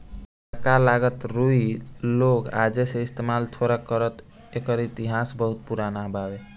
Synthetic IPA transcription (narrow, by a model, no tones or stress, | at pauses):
əkalaɡət̪ɾuiloka̰d͡ʒeseist̪emalt̪ʰoɾakəɾət̪ | ekəɾit̪iɦasbəɦut̪̚puɾanabʱabe